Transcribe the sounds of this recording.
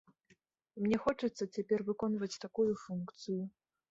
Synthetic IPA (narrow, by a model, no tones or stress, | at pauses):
mnʲɛxɔt͡ʂɐt̪sːɐt͡sʲapʲɛrvɨkɔnvɐt͡sʲt̪akujufunkt̪sɨju